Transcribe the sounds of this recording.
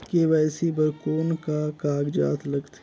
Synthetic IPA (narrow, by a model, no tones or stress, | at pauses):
keʋɛːsibəɾkoːnkakaːɡd͡ʒa̰ːt̪ʰlɐɡt̪ʰ